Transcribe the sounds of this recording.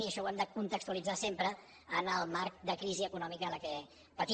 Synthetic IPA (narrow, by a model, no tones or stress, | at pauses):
iəʃɔwɛmd̪əkunt̪əkst̪uəlid͡zasempɾəː | nəlˠmaɾk̚d̪əkɾiziəkunɔmikələkɛ | pət̪i